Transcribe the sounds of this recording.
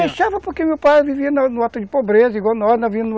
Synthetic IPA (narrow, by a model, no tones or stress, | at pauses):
eʃavɐpoɾkemewpajviviɐnɐnʊat̪ũd̪ɪpobɾezɐiɡwawˠnɔɾnɐvĩnu